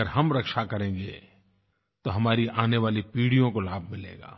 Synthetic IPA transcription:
əɾɦɐmɾɐkʃakɐɾẽːŋɡḛː | t̪oɦɐmaːɾiʔaːneʋaːlipiːɽijõkolaːb̚ʱmɪlḛːɡa̰ː

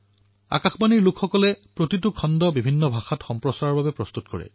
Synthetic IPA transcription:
a̰kaxbaniɹlʊkʰxɔkɔlɛpɹotitʊkʰɔndɔbibʱinːɔbʱaxatxɔmpɹɔsaɹaɹbabɛpɹɔstutkɔ̰ɹɛ̰

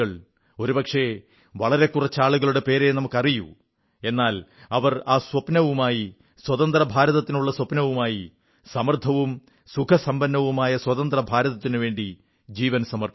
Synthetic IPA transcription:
ɐɭ | o̞ɾupɐkʂe̞ | ʋɐɭɐɾe̞kurɐt͡ɕːaːɭuɣɐɭuɽe̞pe̞ːɾenɐmukːɐrijṵ | e̞nːaːlɐʋɐraːswɐpnɐʋumaːji | swɐt̪ɐnd̪rɐbʱaːɾɐðɐt̪ːinuɭːɐswɐpnɐʋumaːji | sɐmɐrt̪ʰɐʋum | sukʰɐsɐmbɐnːɐʋumaːjɐswɐt̪ɐnd̪rɐbʱaːɾɐðɐt̪ːinuʋe̞ːɳɖi | d͡ʑiːʋɐnsɐmɐr

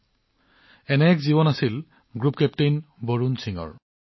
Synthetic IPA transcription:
ɛnɛɛkziβɔnasil | ɡɹupkɛp̚tejnboɹunsʰiŋɔ̰ɹ

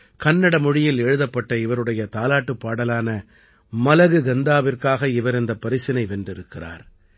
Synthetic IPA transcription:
kɐnːɐɽɐmɔɻɪjɪlɛɻɯðɐpːɐʈːɐɪʋɐɾɯɽɐjɐt̪aːlaːʈːɯpːaːɽɐlaːnɐ | mɐlɐɣɯɡɐnd̪aːʋɪrkaːɣɐɪʋɐɾɪnd̪ɐpːɐɾɪsɪnɐɪʋɛndrɪɾɯkːɪra̰ːɾ

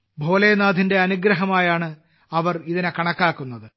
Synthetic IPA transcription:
bʱo̞ːlejnaːd̪ʱinde̞ɐnuɡɾɐɦɐmaːjaːɳɨ | ɐʋɐriðinekɐɳɐkːaːkːunːɐðɨ

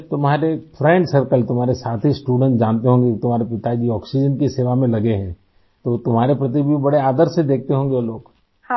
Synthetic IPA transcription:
t̪ʊmɦaːɾefʰɾɛ̃ːɳɖsɐɾkəlt̪ʊmɦaːɾesaːt̪ʰɦisʈuːɖə̃ɳʈd͡ʒãːnt̪eɦõːŋɡekt̪ʊmaːɾepɪt̪ad͡ʒiɔːksid͡ʒənkiseːʋamẽlɐɡeɦɛ̃ː | t̪ot̪ʊmɦaːɾepɾɐt̪̬ibʱibɐɽeaːd̪əɾsed̪eːk̚ʰt̪eɦõːŋɡeoːloːɡ

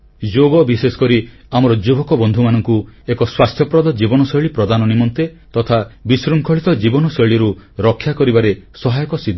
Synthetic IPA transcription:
d͡ʒoɡɔbisesɔ̥kɔɾi | amɔɾɔd͡ʒubɔkɔbɔnd̪ʱumanɔŋkuekɔswast̪ʰjɔpɾɔd̪ɔd͡ʒibɔnɔsɔjɭipɾɔd̪anɔnimɔnt̪et̪ɔt̪ʰabisɾuŋkʰɔɭit̪ɔd͡ʒibɔnɔsɔjɭiɾuɾɔkʰːjakɔɾibaɾesɔɦajɔkɔsid̪ʱ

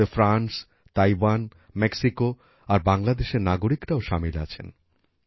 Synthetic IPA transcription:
efɾans | t̪ajwan | meksiko | aɾbaŋlad̪eʃeɾnaɡoɾikɾaoʃamila̰t͡ɕʰḛn

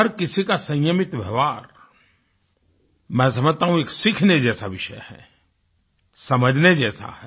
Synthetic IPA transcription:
ɐɾkɪsikasɐ̃jjəmɪt̪ʋɐʋaːɾ | mɛ̃ːs̬ɐməd͡ʒt̪aːɦũeːksɪkʰned͡ʒɛːsaʋɪʃə̰jhɛ̰ː | sɐməd͡ʒʱned͡ʒɛːsa̰hɛː

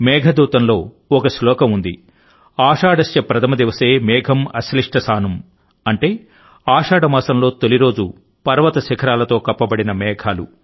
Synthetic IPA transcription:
mɛːɡʱɐd̪uːt̪ɐnlo̞ː | ɔkɐslɔːkɐmund̪i | aːʂaːɖɐst͡ʃɐpɾɐt̪ʰɐmɐd̪iʋɐseːmɛːɡʱɐmɐsliʂʈɐsaːnum | ɐɳʈeː | aːʂaːɽɐmaːsɐmlo̞ːt̪oliɾo̞ːd͡ʒu | pɐɾʋɐt̪ɐsikʰɐɾaːlɐt̪o̞ːkɐpːɐbɐɽinɐmɛːɡʱaːlṵ

